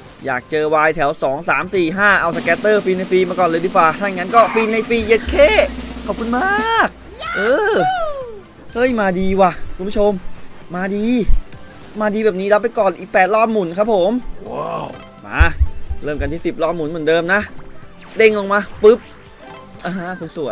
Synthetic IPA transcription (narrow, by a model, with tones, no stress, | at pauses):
ja̰ː˨˩k̚t͡ɕɤː˧waː˧jt̪ʰɛ˩˦wsɔː˩˦ŋsaː˩˦msiː˨˩ɦaː˥˩ʔa˧wsa˧kɛː˦˥t̪ːɤː˥˩fiː˧na˧jfiː˧maː˧kɔː˨˩nlɤː˧dɯː˧˥kwaː˨˩tʰa˥˩˨ŋːa˦˥nkɔː˥˩fiː˧na˧jfiː˧je˦˥t̪̚kʰeː˥˩kʰɔ˨˩ku˧nmaː˥k̚ | ʔɤː˧ | hɤ˦˧˥jmaː˧diː˧waː˧˩kʰu˧nbu˥t͡ɕʰo˧mmaː˧diː˧ | maː˧diː˧bɛː˨˩p̚niː˦˥la˦˥pːa˧jkɔː˨˩nʔiː˨˩k̚pɛː˨˩t̪̚lɔː˥˩p̚mu˨˩˦nkʰa˦˥p̚ʰːo˩˦m | ʔa̰˧˩lɤː˧˥˩mka˧nt̪ʰiː˥˩si˨˩p̚lɔː˥˩p̚mu˨˩˦nmɯ˩˦ndɤː˧mna˦˥ʔ | de˧˩ŋlo˧ŋmaː˧pɯ˦˥p̚ | ʔaː˧˩ɦa˦˧˥kʰu˧nsu˨˩˦əj